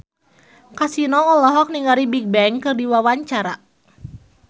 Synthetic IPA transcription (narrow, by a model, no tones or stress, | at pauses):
kasinɔŋɔlɔɦɔk̚niŋaɾibik̚bɛŋkɨrdiwawaɲt͡ʃaɾa